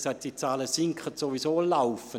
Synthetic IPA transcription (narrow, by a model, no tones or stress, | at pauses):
saɪt̚d̥it͡saːləsɪŋkχətsovisoːlaʊfə